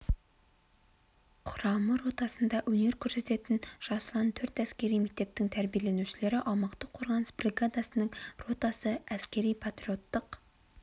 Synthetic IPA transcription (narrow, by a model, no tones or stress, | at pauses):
qʰʊɾɑməɾo̞t̪ɑsənd̪ɑʔwɵne̞ɾkʲʰʏɾse̞t̪e̞t̪ɪnʒ̥ɑsəlˠɑnt̪ʰɵɾt̪æskʲe̞ɾijme̞k̚t̪e̞p̚t̪ɪŋt̪ʰæɾbijele̞nuʃɪle̞ɾɪʔɑmɑqt̪əqʰːo̞ɾʁɑnəsbrʲiɡad̪asənəɴro̞t̪ɑsəæskʲe̞ɾijpʰat̪ɾio̞t̪ːəq